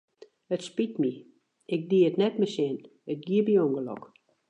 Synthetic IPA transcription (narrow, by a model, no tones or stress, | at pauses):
ətspitmi | ɪk̚diətnɛt̚məsɪn | ət̚ɡiəbijoŋɡəlɔ̰k